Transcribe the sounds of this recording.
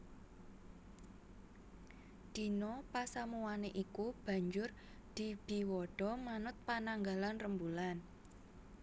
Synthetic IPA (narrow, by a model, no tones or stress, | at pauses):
d̪̥i̤nɔpasamuwaneʔikub̥ä̤ɲd͡ʒʊr | d̪̥i̤b̥i̤wɔɖ̥ɔ̤manʊt̪̚panaŋɡalanrəmbulan